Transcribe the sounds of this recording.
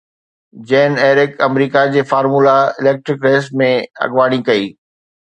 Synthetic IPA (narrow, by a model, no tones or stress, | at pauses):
d͡ʑɛːneːɾɪkɐmɾiːkad͡ʑeːfaːɾmuːlaɪlɛːk̚ʈɾɪkɾɛːsmẽɐ̰ɠʋaːɽ̃ikɐiː